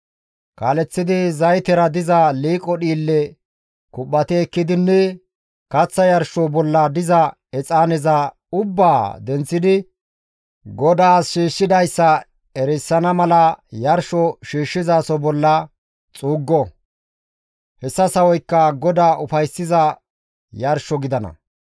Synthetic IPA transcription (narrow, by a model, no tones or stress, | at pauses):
kaːlɛt͡sːɪd̪ɪzɐjt̪ɛɾɐd̪ɪzɐliːkʼɔɗiːlːɛ | kʊpːɐt̪ɛːkːɪd̪ɪnːɛ | kɐt͡sːɐjɐɾʃɔbɔlːɐd̪ɪzɐ | ɛt͡sʼaːnɛzɐ | ʊbːaːd̪ɛnt͡sːɪd̪ɪ | ɡɔd̪aːsʃiːʃːɪd̪ɐjsːɐ | ɛɾɛsːɐnɐmɐlɐjɐɾʃɔʃiːʃːɪzaːsɔbɔlːɐ | t͡sʼuːɡːɔ | hɛsːɐsɐwɔjkːɐɡɔd̪aːʔʊfɐjsːɪzɐ | jɐɾʃɔɡɪd̪ɐnɐ̰